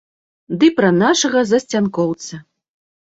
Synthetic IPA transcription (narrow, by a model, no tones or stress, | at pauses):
d̪ɨpɾɐnaʂɐɣɐzɐsʲt͡sʲankɔwt̪sɐ